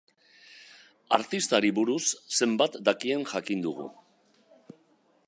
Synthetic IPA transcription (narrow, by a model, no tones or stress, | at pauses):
a̰ɾt̪ist̪aɾiβuɾusːe̞mbat̪d̪akie̞ŋʝakind̪uɣ̞ṵ